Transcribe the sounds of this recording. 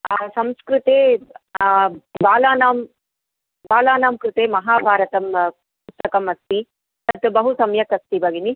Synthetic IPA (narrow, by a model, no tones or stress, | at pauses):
sɐmskɾut̪eː | baːlaːnaːm | baːlaːnaːmkɾut̪eːmɐɦaːbʱaːɾɐt̪ɐm | pust̪ɐkɐmɐst̪i | t̪ɐt̪ːubɐɦusɐmjɐkɐst̪ibɐɡini